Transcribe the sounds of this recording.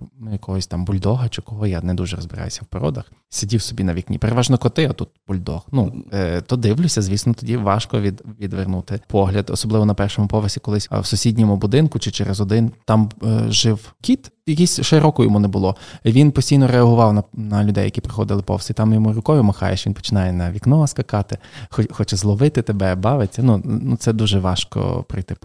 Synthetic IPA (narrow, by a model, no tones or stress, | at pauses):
njɐkɔɦɔsʲt̪ɑmbʊlʲd̪ɔɦɐt͡ʃɪkɔɦɔjanɛd̪uʒɛɾɔzbɪɾɑ̰jʊsʲɐwpɐɾɔ̰d̪ɐxsʲɐdʲiwsɔbʲinɐʋʲiknʲḭpeɾeʋɑʒnɔkɔt̪ɪɐt̪ut̪̚bʊlʲd̪ɔ̰hnut̪ɔd̪ɪwlʲʊsʲɐzʲʋʲisnɔt̪ɔdʲiʋɑʃkɔʋʲid̪ʋʲid̪ʋernut̪ɪpʰɔɦlʲɐd̪ɔ̰sɔblˠɪʋɔnɐpɛrʃɔmʊpɔʋesʲi̥kɔlˠɪsʲwsʊsʲidʲnʲɔmʊbʊd̪ɪnkʊt͡ʃɪt͡ʃɛɾezɔd̪ɪnt̪ɑmʒɪwkʲit̪jɐkʲisʲʃɪɾɔkʊjɔ̰munɛbʊlˠɔiʋʲinpɔsʲtʲijnɔɾeɐɦʊʋɑwnɐnɐlʲʊd̪ɛjɐkʲipɾɪxɔ̰d̪ɪlˠɪpɔ̰wst̪it̪ɑmjɔmuɾʊkɔʋʲʊmɐxɑ̰jɛ̰ʃʋinpɔ̥t͡ʃɪnɑjɛnɐʋʲiknɔɐskɐkɑt̪ɪxɔxɔt͡ʃɛzlˠɔʋɪt̪ɪt̪ebɛbɑʋet͡sʲːɐnunut̪sɛd̪uʒɛʋɑʃkɔ̰pɾɐjt̪ɪp